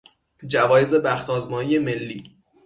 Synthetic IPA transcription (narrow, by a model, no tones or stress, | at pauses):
d͡ʒævɒːjeze̞bæxt̪ʰɒːzmɒːnije̞me̞lːiː